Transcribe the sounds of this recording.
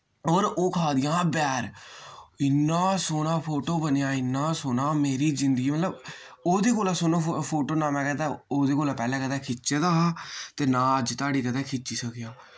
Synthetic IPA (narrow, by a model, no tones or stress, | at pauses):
oːɾoːkʰaːd̪ɪjãːbɛːɾ | ɪnːãːsoːnãːpʰoːʈoːbənejaːɪnːãːsoːnaːmeːɾiːzɪnd̪ɡiːmət̪ləb | oːd̪eːkoːlaːsʊnõːpʰoːʈoːnãːmɛ̃ːkɛːt̪ɛːoːd̪eːkoːlaːpɛːlɛ̃ːkət̪ɛːkʰɪt͡ʃːt͡ʃeːd̪aːɦaːt̪eːnãːəd͡ʒt̪aːɖiːkət̪ɛːkʰɪt͡ʃt͡ʃiːsəkʰɪjaː